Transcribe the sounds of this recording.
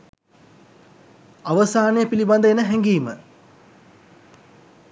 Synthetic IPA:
aʋəsaːnejəpiliband̪əenəɦɛŋɡiːmə

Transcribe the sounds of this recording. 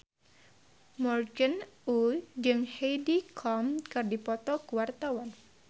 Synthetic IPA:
mɔrɡənud͡ʒɨŋhejdikʰɔmkɨrdipɔt̪ɔkuwart̪awan

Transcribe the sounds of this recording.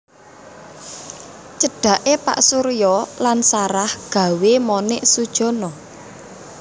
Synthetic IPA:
t͡ʃəɖ̥ä̤ʔepa̰ʔsuɾijɔlansaɾahɡ̥ä̤wemɔnɪʔsud̥ʒ̥ɔ̤nɔ

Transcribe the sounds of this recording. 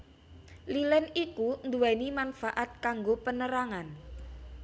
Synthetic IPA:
lilɛnikund̪uwɛnimanfaʔat̪̚kaŋɡopənəɾaŋan

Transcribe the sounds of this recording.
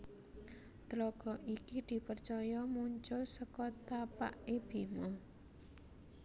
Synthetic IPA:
t̪ɾɔɡ̥ɔ̤ʔikid̪̥i̤pərt͡ʃɔjɔmuɲt͡ʃʊsəkɔt̪apa̰ʔeb̥i̤mɔ

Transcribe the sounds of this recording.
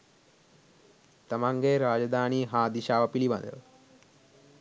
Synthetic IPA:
t̪ɐmaŋɡeɾaːd͡ʒɐd̪aːniːɦaːd̪iʃaːʋɐpiliʋɐ̰nd̪ə̰l

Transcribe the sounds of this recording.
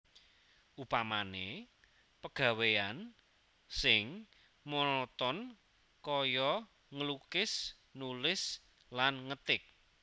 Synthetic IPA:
ʔupamane | pəɡ̥a̤wean | sɪŋ | mɔnɔt̪ɔn | kɔjɔ | ŋəlukɪs | nulɪs | lanŋət̪ɪk̚

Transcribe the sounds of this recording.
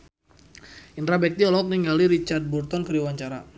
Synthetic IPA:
inɾabɛk̚t̪iɔlɔk̚niŋɡaliɾit͡ʃard̪̚burt̪ɔnkəɾiwaɲt͡ʃaɾa

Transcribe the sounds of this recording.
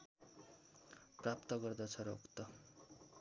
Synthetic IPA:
prap̚t̪ʌɡʌrd̪ʌt͡sʰʌɾokt̪ʌ

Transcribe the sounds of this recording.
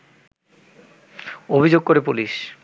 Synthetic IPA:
obʱid͡ʑoɡ̚koɾepuliʃ

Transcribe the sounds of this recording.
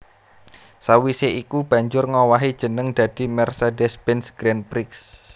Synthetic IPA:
sawiseʔikub̥ä̤ɲd͡ʒʊrŋɔwaɦid̥ʒ̥ə̤nəŋd̪̥ä̤d̪̥i̤mɛrsedɛsbɛnsɡ̥ɾɛnpɾɪks

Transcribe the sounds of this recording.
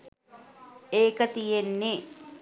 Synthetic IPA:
eːkət̪ijenːe

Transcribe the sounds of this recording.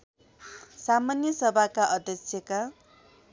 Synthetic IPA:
samanjʌsʌbʱakaʔʌd̪ʱjʌksʰjʌka

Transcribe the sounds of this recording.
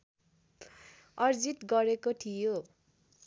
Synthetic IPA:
ʌrd͡zit̪ɡʌɾekoʈʰijo

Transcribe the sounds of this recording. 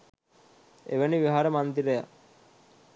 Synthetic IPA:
ḛʋæniʋiɦaɾəmand̪iɾeja̰

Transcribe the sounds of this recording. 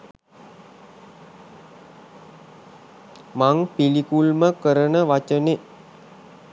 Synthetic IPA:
maŋpilikulməkəɾənəʋat͡ʃəne

